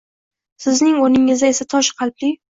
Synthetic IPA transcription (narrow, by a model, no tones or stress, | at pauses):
sɪznɪŋoɾnɪŋɪzd̪aesat̪ʰɒʃqʰɑlp̚lɪ